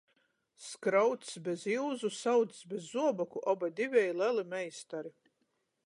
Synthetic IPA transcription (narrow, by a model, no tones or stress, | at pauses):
skɾawt̪sbʲeziwzusawt̪sbezːuɔbɔkuʔɔbad̪ivʲɛjlɛlimɛjst̪aɾi